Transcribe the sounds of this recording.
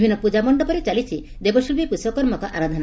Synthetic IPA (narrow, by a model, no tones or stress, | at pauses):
bʱinːɔpud͡ʒamɔɳɖɔpɔɾet͡ʃalit͡ʃʰi | d̪ebɔʃilbipusɔkɔɾmɔkɔʔaɾad̪ʱɔn